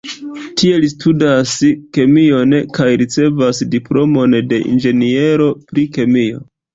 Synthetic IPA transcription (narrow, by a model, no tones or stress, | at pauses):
tʰie̞listʰudaske̞mio̞nkajɾit͡se̞vasdiplo̞mo̞nde̞ʔḭnd͡ʒe̞nie̞ɾo̞pɾike̞mio̞̰